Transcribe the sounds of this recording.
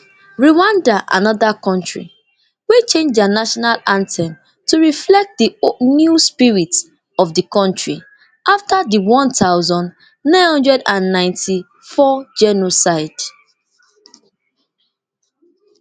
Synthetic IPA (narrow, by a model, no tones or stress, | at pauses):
ɹiwãndaʔa̰nɔðakɔ̃ntɹḭ | wet͡ʃẽnd͡ʒanaʃɔnalãntʰɛ̃n | tuɹiflɛk̚t̚dinuspiɹits | ɔvdəkɔ̃ntɹi | ʔaftadiwɔ̃ntaʊzɔ̃n | nãɪ̃nhɔ̃ndɹɛdãnːãɪ̃ntʰi | fɔd͡ʒɛnosaɪd̥